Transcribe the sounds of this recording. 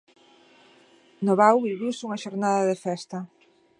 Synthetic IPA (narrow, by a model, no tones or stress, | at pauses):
noβawβiβuwsuŋɐʃoɾnaðɐðefɛst̪ɐ